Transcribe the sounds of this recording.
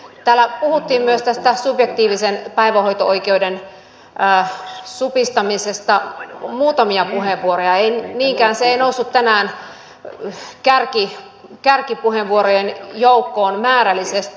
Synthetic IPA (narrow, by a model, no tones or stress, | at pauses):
t̪æːlːæpuhut̪ːiːmmyøst̪æst̪æsupjekt̪iːʋisenpæiʋæho̞jt̪oʔoikeuden | ʔːsupist̪ɑmisest̪ɑmuːt̪ɑmiɑpuɦeʋʋuoɾojɑeiniːŋkæːnseeinousːut̪t̪ːænæːn | kærki | kærkipuheʋːuoɾojenjoukːoːnmæːɾælːˑisest̪i